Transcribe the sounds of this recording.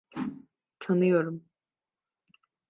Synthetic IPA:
t̪ʰanɯjoɾum

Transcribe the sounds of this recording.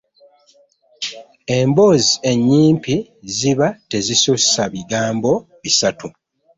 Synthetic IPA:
e̞mbo̞ːzie̞ɲːiːmpi | ziβate̞zisussaβiɡaːmbo̞ | βisatu

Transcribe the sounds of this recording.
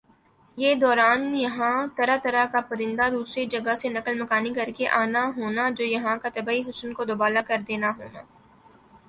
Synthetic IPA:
jeːd̪ɔːɾaːnjɐɦãt̪ɐɾat̪ɐɾakapɐɾɪ̃nd̪ad̪uːsɾid͡ʒɐɡasenɐkəlmɐkaːnikɐɾkeʔaːnaɦoːnad͡ʒoːjɐɦãkat̪ɐbaːiɦʊsnkod̪ʊbaːlakɐɾd̪eːnaɦoːnaː

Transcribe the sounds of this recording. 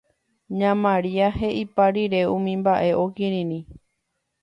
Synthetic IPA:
ɲãmãɾiaɦe̞ʔipaɾiɾe̞ũmĩmbaʔe̞ʔokĩɾĩnĩ

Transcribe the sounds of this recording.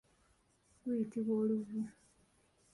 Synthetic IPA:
kujitiβoːluvu

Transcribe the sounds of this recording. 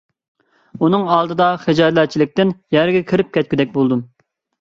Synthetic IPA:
unɨŋɑːlˠd̪ɨd̪ɑχed͡ʒɑj̪lɛt͡ʃʰilɪk̚ʲt̪ɪnjɛɾɡʲɛkʲʰiɾɪp̚kʲɛt̪̚kʲyd̪ɛk̚ʲbolˠd̪um

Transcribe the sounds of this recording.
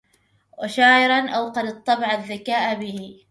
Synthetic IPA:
waʃaːʕɪɾˤɑnʔawqɑd̪ɨt̪ˤːɑbɑʕaðːakaːʔbɪhɪ

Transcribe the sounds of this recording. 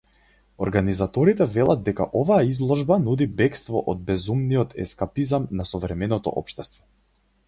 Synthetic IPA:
ɔɾɡanizat̪ɔɾit̪ɛvɛlˠad̪̚d̪ɛka̰ʔɔvaaizlˠɔʒbanud̪ibɛkst̪vɔʔɔd̪̚bɛzumniɔt̪ʰɛ̰skapizamnasɔvɾɛmɛnɔt̪ɔ̰ʔɔ̰pʃt̪ɛst̪vɔ̥

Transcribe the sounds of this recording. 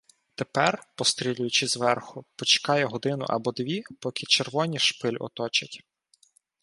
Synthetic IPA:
t̪epɛrpɔst̪ɾʲilʲʊjʊt͡ʃɪzʋɛrxʊpɔt͡ʃe̥kɑjɛɦɔd̪ɪnʊ̰ʔɐ̰bɔd̪ʋʲipɔkʰɪt͡ʃerʋɔnʲiʃpɪlʲɔ̰t̪ɔt͡ʃɐtʲ

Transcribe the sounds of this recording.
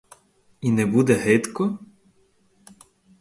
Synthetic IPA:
inɛbud̪ɛɦɛt̪kɔ

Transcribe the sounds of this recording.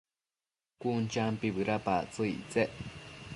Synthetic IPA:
kunt͡ʃampiβɨɾapat͡sɨit͡seʔ

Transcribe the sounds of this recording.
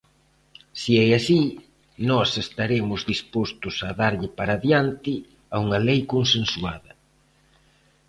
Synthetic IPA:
siɛasi | nɔsest̪aɾemʊzðispost̪ʊsaðaɾʎɪpaɾaðjant̪ɪ | auŋɐlejkonsensuaðɐ

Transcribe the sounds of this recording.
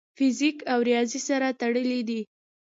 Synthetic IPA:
fɪzikawɾjɑzisaɾat̪aɽəlid̪i

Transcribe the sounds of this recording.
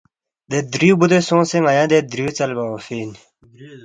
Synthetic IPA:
d̪ed̪ɾiubud̪osõːseŋɐjãːd̪ed̪ɾiut͡sɐlbaofin

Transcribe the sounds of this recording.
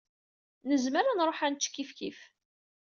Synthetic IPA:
nəzməɾanɾˤoħænt̪ʃkːifkif

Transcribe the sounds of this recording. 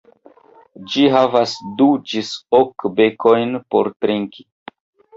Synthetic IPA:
d͡ʒiɦavasdud͡ʒisokbe̞kʰo̞jnpo̞̰ɾtɾiŋkʰi̥

